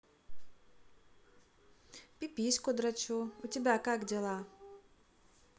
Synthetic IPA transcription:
pʲipʲisʲkʊd̪ɾat͡ɕuutʲɪbʲakaɡdʲɛlˠa

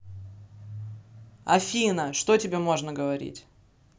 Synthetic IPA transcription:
ɐ̰fʲinəʂt̪otʲɪbʲe̞mo̞ʐnəɡəvɐɾʲḭtʲ

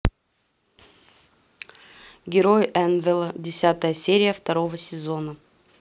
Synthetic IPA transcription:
ɡʲɪɾojɛnvʲɪlˠədʲɪsʲat̪əjəsʲeɾʲɪjəft̪ɐɾo̞vəsʲɪzo̞nə

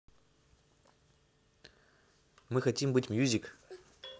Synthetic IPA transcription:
mɨxɐtʲimbɨtʲmjuzʲɪk

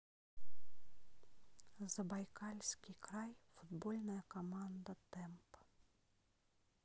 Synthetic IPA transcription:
zɐbajkalʲsʲkʲikɾajfud̪bɔlʲnɐjɐkamand̪ɐt̪ɛmp

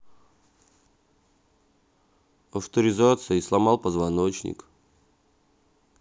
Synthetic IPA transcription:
ɐft̪əɾʲɪzat̪sɨjislˠamalˠpəzvanot͡ɕnʲɪ̰k

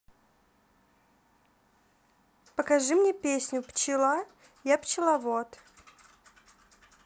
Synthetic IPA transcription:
pəkaʐɨmnʲepʲesʲnʲʊpt͡ɕɪlˠa | japt͡ɕɪlˠavot̪

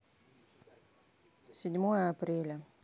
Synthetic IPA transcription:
sʲɪdʲmojəɐpɾʲelʲə

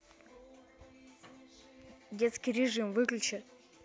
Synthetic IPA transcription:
dʲet̪skʲijɾʲɪʐɨmvɨklʲʉt͡ɕɪt̪

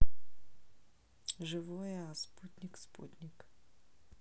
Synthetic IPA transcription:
ʒɪʋɔjɛɐsput̪ʲnʲikspṵt̪ʲnʲik

